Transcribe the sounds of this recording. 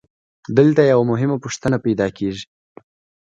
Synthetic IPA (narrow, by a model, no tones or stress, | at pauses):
d̪əlt̪ajawamʊɦɪmapʊʂt̪ənapajd̪ɑkeʒi̥